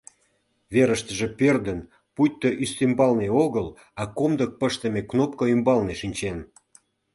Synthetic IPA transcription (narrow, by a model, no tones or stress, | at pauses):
veɾəʃt̪əʒĕpørd̪ən | pujt̚ʲt̪ːoʔyst̪imbɑlneoɣəl | ɑkomd̪ək̚pəʃt̪ə̆meknop̚kəymbɑlneʃinʲt͡ɕen